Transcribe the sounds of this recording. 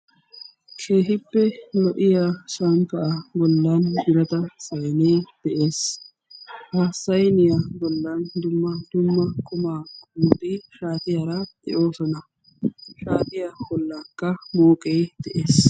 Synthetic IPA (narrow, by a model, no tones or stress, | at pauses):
kʰe̞ːɦɪpːɛlɔʔɪjaːʃaːmpɐʔabɔlːɐnbɪɾɐt̪ɐsɐjneːd̪̥ɛʔeːs | hasːɐjnɪjaːbɔlːɐnd̪ʊmːɐd̪̥ʊmːɐkʰʊmaːkʊnd̪ɪʃaːt̪ɪjaːɾad̪ɛ̰ʔo̞ːsɔnɐ | ʃaːt̪ɪjaːwɔlːakːɐmoːkʼejd̪̥ɛʔeːs